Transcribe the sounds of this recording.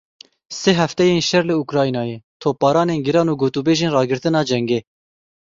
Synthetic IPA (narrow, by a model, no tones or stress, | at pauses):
seɦɛft̪ɛjeːnʃɛɾlɨukɾɑːinɑːjeːt̪ʰoːpɑːɾɑːneːnɡɪɾɑːnuːɡoːt̪uːbeːʒeːnrɑːɡɨɾt̪ɨnɑːd͡ʒɛŋɡeː